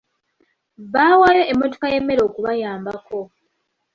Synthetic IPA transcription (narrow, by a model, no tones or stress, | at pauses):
βaːwajoʔemːoto̥kaje̞mːe̞ɾo̞ːkuβajaːmbakʰo̞